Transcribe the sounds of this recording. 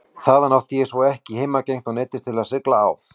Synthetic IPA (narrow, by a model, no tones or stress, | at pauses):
θaːðanawht̪jɛsvɔwɛhcɪheːjmacejŋ̥t̪ɔɣnɪːt̪ɪst̪ʰɪlaðsɪkla̰ːw